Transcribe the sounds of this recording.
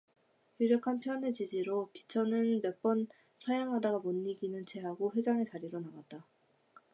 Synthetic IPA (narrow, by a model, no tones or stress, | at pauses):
juɾjʌkʰanpʰjʌne̞t͡ɕid͡ʑiɾopi̥t͡ɕʰʌnɯnmjʌp͈ʌn | sʰʌjaŋɦadaɡamonːiɡinɯnt͡ɕʰe̞ɦaɡoɸwe̞d͡ʑaŋe̞t͡ɕaɾiɾonaɡat̚t͈a